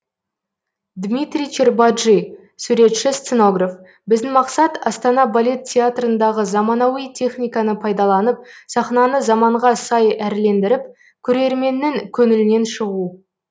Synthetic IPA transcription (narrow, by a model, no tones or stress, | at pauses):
d̪mit̪ɾʲijt͡ʃerbad̪ʒi | sʉɾe̞t̪ʃɪst̪səno̞ɡraf | bɪzd̪ɪmɑqsɑt̪ɑst̪ɑnɑbalʲe̞t̪tʲʰːeat̪rənd̪ɑʁəzɑmɑnɑwijt̪ʲʰe̞χnʲijkɑnəpʰɑjd̪ɑlˠɑnəp̚sɑχnɑnəzɑmɑɴʁɑsɑjæɾle̞nd̪ɪɾɪp̚ | kʲʰɵɾe̞ɾme̞nːɪŋkʲʰɵŋɪlɪne̞nʃəʁu